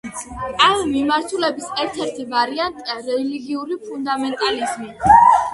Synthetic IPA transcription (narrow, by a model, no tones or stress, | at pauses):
amːimaɾt̪ʰulɛbisɛɾt̪ʰɛɾt̪ʰivaɾiant̪ʼiaɾɛliɡiuɾipʰund̪amɛnt̪ʼalizmi